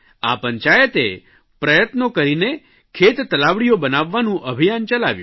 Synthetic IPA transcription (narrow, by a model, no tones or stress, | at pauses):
a̰pəɲt͡ʃajət̪e | pɾəjət̪nokəɾine | kʰet̪t̪əlaʋɽijobənaʋːanũʔəbʱijant͡ʃəlaʋjṵ̃